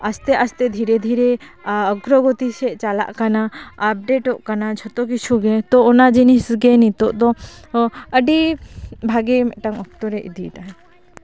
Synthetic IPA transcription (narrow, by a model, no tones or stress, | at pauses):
ast̪ɛʔast̪ɛd̪ʱiɾɛd̪ʱiɾɛɔɡɾɔɡɔt̪isɛʔt͡ʃala̰ʔkanaːp̚ɖeʈɔʔkanat͡ʃʰɔt̪ɔk̬it͡ʃʰuɡɛt̪ɔɔnad͡ʒinisɡɛnit̪ɔʔd̪ɔ | əɖibʱaɡɛmɛ̰ʔʈaŋɔk̚t̪ɔɾɛʔid̪iʈaɦɛ